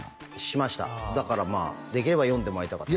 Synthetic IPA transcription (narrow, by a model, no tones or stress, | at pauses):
ɕimaɕi̥t̪a̰d̪akaɾama̰ːd̪e̞kʲiɾe̞bajõnd̪e̞moait̪aka